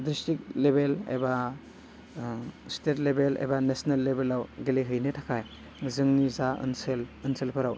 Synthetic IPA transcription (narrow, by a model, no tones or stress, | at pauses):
dɾistik̚lebelḛba | stet̚lebelḛbanesnɐlːebelawɡeleɦɯjnɯtʰakʰaj | zɯŋnizaɯ̰nselɯnselpʰɯɾaw